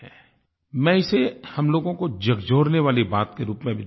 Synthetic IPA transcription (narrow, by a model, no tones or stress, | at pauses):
ɛ | mɛ̃ːɪsehɐmloːɡõkod͡ʒɐɡd͡ʒʱoːɾneʋaːlibaːt̪keɾuːpmẽbʱi